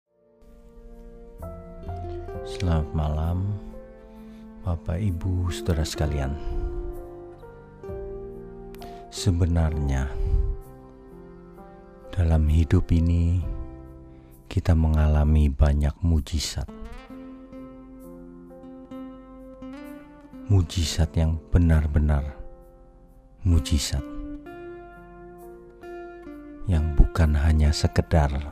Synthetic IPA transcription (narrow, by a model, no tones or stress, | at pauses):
səlamat̪̚malam | bapaibusə̥t̪əɾahsə̥kalian | səbənarɲa | d̥alamɦidʊpini | kit̪aməŋalamibaɲak̚mud͡ʒisa̰t̪̚ | mud͡ʒisat̪̚jaŋb̥ənarbənar | mud͡ʒisat̪̚ | jaŋbukanɦaɲasəkədar